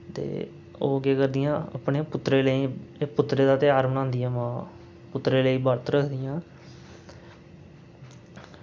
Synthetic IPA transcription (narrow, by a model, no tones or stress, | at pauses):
t̪ḛː | o̰ːɡeːkəɾd̪ɪjãːa̰pɳeːpʊt̪ːɾeːləiːepʊt̪ːɾeːd̪aːt̪eːaːɾmnãːnd̪ijãːmãː | pʊt̪ːɾeːləiːbəɾt̪ɾəkʰd̪ɪjãː